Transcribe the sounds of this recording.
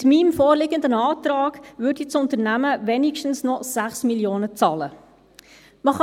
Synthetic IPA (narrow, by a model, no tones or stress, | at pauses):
tmimfoːɾlɪɡənd̪ənɑːt̪ɾɑːɡʋʏːɾdisʊnt̪əɾnæməʋɛniʃtn̩snɔsæχsmiljoːnət͡sɑːlə | məχɑ